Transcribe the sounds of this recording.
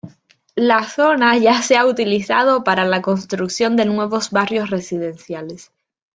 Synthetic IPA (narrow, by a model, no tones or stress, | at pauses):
laθo̞naʝaseaut̪iliθa̰ð̞o̞paɾalako̞nst̪ɾukθjo̞nd̪e̞nwe̞β̞o̞zβarjo̞sre̞siðe̞nθjale̞s